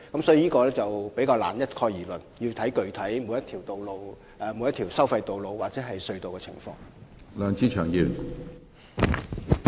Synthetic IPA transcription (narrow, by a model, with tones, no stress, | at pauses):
kɐ˨˥msɔː˨˥i˨˩jiː˥kɔː˧lɛː˥t͡sɐ˨wpe˨˥jkaː˧wla̰ː˨˩njɐ˥t̚kʰɔː˧jiː˨˩lɵ˨˩nji˧wt̪ʰɐ˨˥jkɵ˨ɥt̪ʰɐ˨˥jmu˨˧˥jɐ˥t̪ʰiː˨˩wt̪o˨wlo˧w | ɛ˨˧mu˨˧jɐ˥t̪ʰi˨˩wsɐ˥wfɐ˧jt̪o˨wlo˨˧wwaː˨k̚t͡sɛː˨˥ɦɐ˨jsɵ˧ɥt̪o˨wkɛː˧t͡sʰɪ̰˨˩ŋfɔ̰ː˧ŋ | lœː˨˧ŋt͡siː˥t͡ʃʰœː˨˩ŋjiː˨˩n